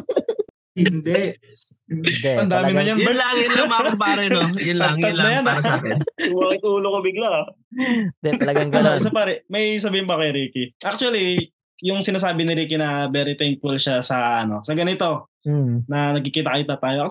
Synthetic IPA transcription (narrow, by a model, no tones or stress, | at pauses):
hɪnd̪ɛ | ɐnd̪aːmɪnɐjɐnɐlaɪnmpaːɾɛojɪlaɐd̪̚nɐjan | makɪt̪uːlokobɪɡla | d̪ɛɐɐɡaɡɐnosɐpaːɾɛmɐjs̬ɐbiːhɪnbɐkojɾiːkiʔak̚t͡ʃʊɐli | jʊŋsɪnaːs̬aːbɪnɪɾiːkɪnɐbɛːɾɪt̪ɛŋk̚fʊlʃasɐɐno̞sɐɡɐnɪt̪o̞ | nɐnɐɡ̚kɪkiːt̪ɐkɐjʊt̪ɐt̪aːjoʔ